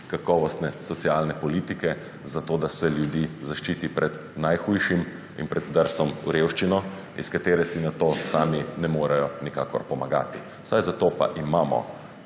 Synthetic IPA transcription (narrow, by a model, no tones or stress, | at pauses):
kakɔʋɔst̪nɛsɔt̪sialnɛpɔliːt̪ikɛ | zat̪oːd̪asɛljud̪jiːzaʃt͡ʃiːt̪ipɾʔɛd̪ | najxujʃim | ḭnpɾʔɛd̪zd̪əɾsɔmuɾewʃt͡ʃinɔ | ḭskat̪eːɾɛsinat̪oːsaːminɛmoːɾɛjɔnika̰ːkɔ̰ɾpɔmaɡa̰ːt̪i | w̥sajzat̪opa̰ʔimaːmɔ̰